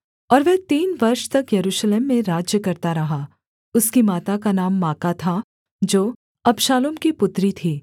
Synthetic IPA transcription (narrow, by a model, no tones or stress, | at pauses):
ɔːɾʋɛɦt̪iːnʋɐɾʃt̪ɐkjɐɾuːʃleːmːẽɾaːd͡ʒjəkɐɾt̪aɾɐɦa | ʊskimaːt̪akanaːmːaːkat̪ʰa | d͡ʒoː | ɐbʃaːloːmkipʊt̪ɾit̪ʰiː